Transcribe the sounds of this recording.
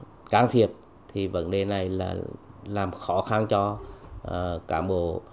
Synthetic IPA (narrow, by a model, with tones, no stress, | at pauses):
kaː˧ŋt̪ʰi˨˩əp̚ | t̪ʰi˨˩və̰˧˥nɗe˨˩na˨˩jla̰ː˨˩laː˨˩mxɔ˧˦xa˧nt͡ɕɔ˧ʔə˨˩kaː˧˩mɓo̰˧˨